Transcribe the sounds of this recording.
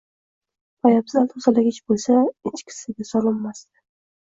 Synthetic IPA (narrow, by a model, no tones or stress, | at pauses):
pajabzalʊzalaɡʲɪt͡ʃbolˠsaɪt͡ʃkʲʰɪ̥sɪɡʲasɒlˠɪmːast̪ɪ̥